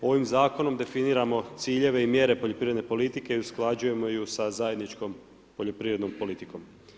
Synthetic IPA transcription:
o̞ʋimzaːko̞no̞md̪e̞finiːɾamo̞t̪siːʎe̞ʋe̞imje̞ːɾe̞poʎo̞pɾiɾed̪nepo̞lit̪ike̞iusklˠad͡ʑuje̞mo̞jusazaje̞d̪nit͡ʃkom | poʎo̞pɾiʋɾed̪nompo̞lit̪iko̞m

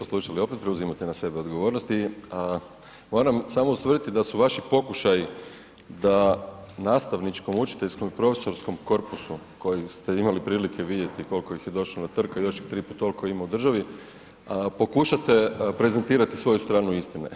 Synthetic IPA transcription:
oslˠuʃalio̞pet̪pɾeuzimat̪enase̞beo̞d̪ɡo̞ʋo̞ːɾnost̪i | mo̞ːɾamsamoust̪ʋrd̪it̪id̪asuʋaʃipo̞kuʃaji | d̪anaːst̪aʋnit͡ʃko̞mut͡ʃi̥t̪eʎʲsko̞mipɾo̞fe̥so̞ɾsko̞mko̞ɾpusu | ko̞jist̪e̞imalipɾiːlikʰe̞ʋid̪je̞t̪iko̞lkojixje̞d̪o̞ʃlonat̪r̩kajo̞ʃjit̪ɾiput̪olkoimaud̪r̩ʒaʋi | po̞kuʃat̪e̞pɾe̞ze̞nt̪iːɾat̪i̥sʋo̞just̪ɾaːnuist̪inḛ

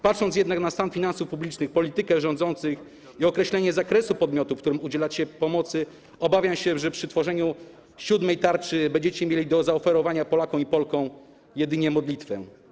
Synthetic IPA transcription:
pat̪ʂɔnt̪sjɛd̪naknast̪anfʲinansufpublʲit͡ʂnɘxpɔlʲit̪ɘkɛʐɔ̃nd̪zɔnt̪sɘx | iɔkɾɛɕlɛɲɛzakɾɛsupɔd̪mʲjɔt̪ufkt̪uɾɘmud͡ʑɛlat͡ɕɛpɔmɔt̪sɘ | ɔbavʲjamɕɛʐɛpʂɘt̪fɔʐɛɲu | ɕud̪mɛjt̪aɾt͡ʂɘbɛɲd͡ʑɛt͡ɕɛmʲjelʲid̪ɔzaɔfɛɾɔvaɲapɔlakɔ̃w̃ipɔlkɔ̃w̃ | jɛd̪ɘɲɛmɔd̪lʲit̪fɛ̰

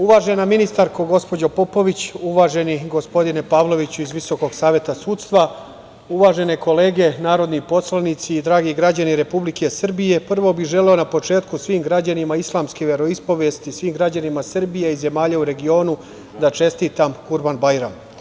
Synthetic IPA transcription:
uʋaːʒe̞naminist̪aɾkoɡo̞spo̞d͡ʑopo̞po̞ʋit͡ɕuʋaːʒe̞niɡo̞spo̞d̪ine̞paːʋlo̞ʋit͡ɕuizʋiso̞ko̞ɡsaːʋje̞t̪asuːt̪st̪ʋa | uʋaːʒe̞ne̞ko̞le̞ːɡe̞naːɾo̞d̪nipo̞slˠanit̪siːd̪ɾaːɡiɡɾad͡ʑaniɾe̞publikʰe̞sɨr̩bije̞pr̩ʋo̞biʒe̞leo̞napo̞t͡ʃe̞ːt̪kusʋiːmɡɾad͡ʑanimaislˠaːmskeʋe̞ɾo̞ispo̞ʋe̞st̪isʋiːmɡɾad͡ʑanimasɨrbijeize̞maːʎauɾe̞ɡio̞ːnu | d̪at͡ʃe̞st̪iːt̪amkuɾbanbajɾam

